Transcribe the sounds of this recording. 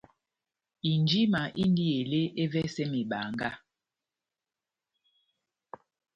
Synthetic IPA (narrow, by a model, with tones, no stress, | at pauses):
i˨nd͡ʒi˦ma˨ʔi˦n˦di˦e˨le˦ʔe˦vɛ˦sɛ˦me˨ɓa̰˨ŋɡa˦